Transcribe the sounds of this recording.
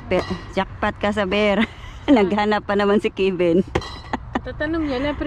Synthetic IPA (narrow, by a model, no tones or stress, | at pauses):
pɛd͡ʒak̚pat̪̚kɐs̬ɐbɛɾnɐɡ̚hanapːɐnɐmansɪkibɪn | t̪at̪anoŋɲanapɾ